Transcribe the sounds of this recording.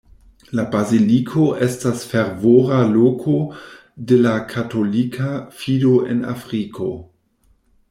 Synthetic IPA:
labazilikʰoʔe̞stasfeɾvoɾalokʰo | de̞lakʰato̞likʰafidoe̞̰na̰fɾikʰo̞

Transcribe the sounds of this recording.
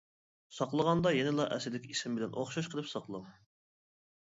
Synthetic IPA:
sɑqlˠəʁɑnd̪ɑjenɪlˠɑʔɛsɪd̪ɪkʲisɪmbɪlɛnʔo̰χʃɑʃqʰəlˠɨpsɑqlˠum

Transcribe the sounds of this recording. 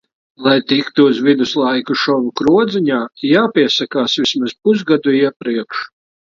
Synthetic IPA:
lˠajt̪ikt̪uːzvid̪uslˠajkuʃɔvukɾuɔd̪ziɲaːjaːpʲiɛsakaːsvismaz̥puszɡad̪uiɛpɾiɛkʃ

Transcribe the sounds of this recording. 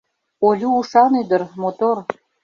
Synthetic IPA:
olʲuːʃɑnyd̪ə̆ɾmot̪or

